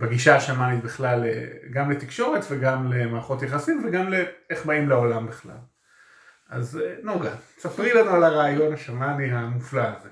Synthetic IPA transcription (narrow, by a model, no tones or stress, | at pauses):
beɡiʃaːʃamanit̪biχlalḛɡamlet̪ikʃo̞ʁet̪veɡamle̞maːχo̞t̪jaχasimveɡamleeχbaimleolambiχla̰l | ʔaznoɡasapʁilanualaʁaːjo̞naʃamaniɦamuflaːze